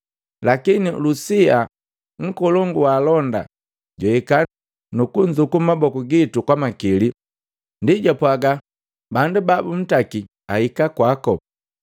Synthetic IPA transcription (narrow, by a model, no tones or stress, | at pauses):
lakinilusia | ŋ̩kɔlɔŋɡuwaːlɔnda̰ | ɟwɔika | nukuɲd͡ʒukumabɔkuɡitukwamakili | ndiɟapwaɡa | bandubabum̩taki | ahikakwakɔ